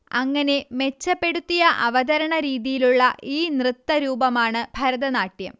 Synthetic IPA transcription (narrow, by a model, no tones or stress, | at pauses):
ɐŋːɐne̞me̞t͡ɕːɐpːe̞ɽut̪ːijɐʔɐʋɐd̪ɐɾɐɳɐɾiːðijiluɭːɐʔiːnrɨt̪ːɐɾuːbɐmaːɳɨbʱɐɾɐðɐnaːʈːjɐ̰m